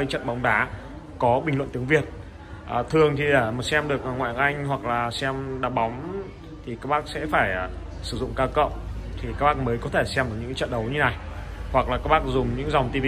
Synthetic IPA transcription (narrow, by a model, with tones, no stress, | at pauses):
t͡ɕə̰˧˨nɓa˨˦wŋ͡mɗaː˨˦ | kɔ˨˦ɓi˨˩ŋ̟lwə̰˧˨nt̪əŋvi˨˩ət̚ | ʔə˨˩t̪ʰɨ˨˩əŋt̪ʰi˨˩ɗe˧˩ma˨˩sɛ˧mɗɨ˨˩ək̚ŋwa̰ː˧˨ə˨˩ʔa˧jŋ̟hwa˨˩k̚laː˨˩sɛ˧mɗaː˧˩ɓa˨˦wŋ͡m | t̪ʰi˨˩kaː˦˥k̚ɓaː˦˥k̚sɛ̰˧˥faː˧˩j | sɨ˧˩zʊ̰˧˨ŋ͡mkaː˧wkə̰˧˨wt̪ʰi˨˩kaː˦˥k̚ɓaː˦˥k̚məː˨˦jkɔ˨˦t̪ʰe˧˩sɛ˧mɗɨ˨˩ɲɨ̰˧˥ŋ˦t͡ɕə̰˧˨nɗə˨˦wɲɨ˧na˨˩jhwa˨˩k̚laː˨˩ka˦˥ɓaː˦˥k̚zʊ˨˩ŋ͡mɲɨ̰˧˥ŋza˨˩wŋ͡mt̪i˧vi˧